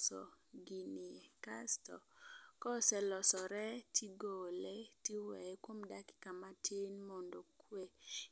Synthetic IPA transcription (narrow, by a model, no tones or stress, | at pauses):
sɔ̰ɡinikastɔ̰kɔsɛlɔsɔɾɛtʰiɡolɛtiwɛɛkwomdakɪ̥kamatʰenmɔndɔkwe